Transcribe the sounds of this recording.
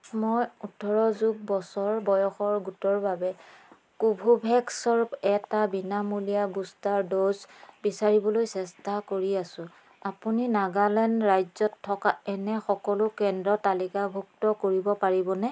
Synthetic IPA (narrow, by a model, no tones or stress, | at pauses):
mɔjutʰɔɹɔzuɡ̚bɔsɔɹbɔjɔxɔɹɡutɔɹbabɛ | kubʱubʱɛksɔɹpɛtabinamulijabustaɹdozbisaɹibɔlojsɛstʰakoɹiasʊ̃ | apuninaɡalɛnɹajzɔtʰːɔkaɛnɛxɔkɔlʊkɛndɹɔtalikabʱuktɔkoɹibɔpaɹibɔnɛ